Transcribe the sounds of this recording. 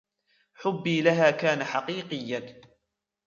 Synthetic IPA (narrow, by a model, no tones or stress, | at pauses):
ħʊbːiːlaɦaːkaːnaħaqiːqɨjːan